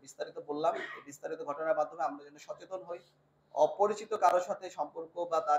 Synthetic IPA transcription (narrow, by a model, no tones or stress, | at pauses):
bist̪aɾit̪obolːamebist̪aɾit̪oɡʱɔʈonaɾbad̪ʱomeamɾad͡ʑonːoʃɔt͡ɕet̪onɦoj | ɔ̰poɾit͡ɕit̪okaɾoʃat̪ʰeʃɔmpoɾkobat̪a